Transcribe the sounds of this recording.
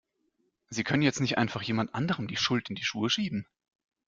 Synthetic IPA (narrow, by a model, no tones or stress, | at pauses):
ziːkʰœnənjɛt͡stnɪçtʔa̰ɪnfaχjeːmantʔa̰ndəʁ̞əmdiːʃʊltɪndiːʃṵːəʃiːbm̩